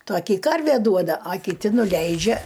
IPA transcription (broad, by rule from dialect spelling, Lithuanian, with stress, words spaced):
ˈtoːkʲɪ ˈkɐrʲʋʲeː ˈduɔdɐ ɐ kʲɪˈtʲɪ nʊˈlʲɛɪd͡ʒʲɛ